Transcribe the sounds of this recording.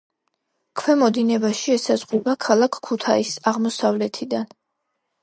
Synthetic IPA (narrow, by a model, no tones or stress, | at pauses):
kʰwɛmɔd̪inɛbaʃiɛsazʁɛbakʰalˠakʰːut̪ʰaisaʁmɔsavlɛt̪ʰid̪an